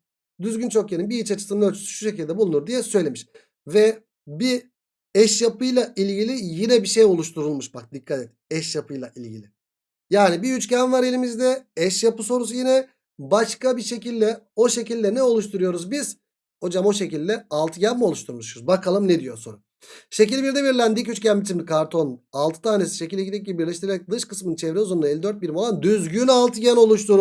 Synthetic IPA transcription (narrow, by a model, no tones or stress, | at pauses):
d̪yzɡɟynt͡ʃʰo̞kjenimbiit͡ʃat͡ʃʰɯ̥sɯnøt͡ʃʰy̥sy̥ʃuʃ̬e̞cilʲd̪ɛbulˠunuɾd̪ijɛsø̞jlʲe̞miʃ | vɛ | bi | ɛʃjapɯjlˠailʲɟilʲijinɛbiʃejo̞lˠuʃt̪ʰuɾulˠmuʃbak̚d̪ikʰːat̪ɛt̪ɛʃjapʰɯjlˠaʔilʲɟḭlʲi | jaːnibiyt͡ʃcɛnvaɾe̞lʲimizd̪ɛɛʃjapɯso̞ɾuzjinɛ | baʃkabiʃe̞cilʲd̪ɛo̞ʃe̞cilʲd̪ɛnɛo̞lˠuʃt̪ʰuɾujo̞ɾuzbiz̥ | ho̞d͡ʒamo̞ʃe̞cilʲd̪ɛalˠt̪ʰɯɟɛnmio̞lˠuʃt̪ʰuɾmuʃɾuzbakʰalˠɯmned̪ijo̞so̞ɾu | ʃe̞cilʲbiɾd̪ɛbiɾlʲænd̪icyt͡ʃcʰæmbit̪ʰimd̪ikʰaɾt̪ʰo̞nalˠt̪ʰɯ̥t̪ʰaːnesi̥ʃe̞cilʲd̪ʲɛɟild̪ʲɛc̚ɟiibiɾlʲɛʃt̪iɾeɾɛc̚d̪ɯʃkɯ̥smɯnt͡ʃʰɛvɾɛuzund̪elʲːid̪ø̞ɾt̪̚biɾmolˠand̪yzɟynalˠt̪ʰɯɟæno̞lˠuʃt̪ʰuɾ